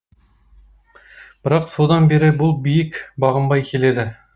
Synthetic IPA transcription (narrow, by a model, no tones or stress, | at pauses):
b̥ɪɾɑqsod̪ɑnbe̞ɾɪbʊlˠbijɪkbɑʁəmbɑjkʲʰe̞le̞d̪ɪ